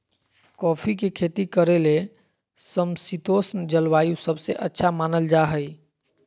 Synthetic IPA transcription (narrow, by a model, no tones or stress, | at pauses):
kɔpʰikekʰet̪ikəɾele | səmsit̪osnd͡ʒəlwajusəbʱseʔətːʃʰamanəld͡ʒaɦəj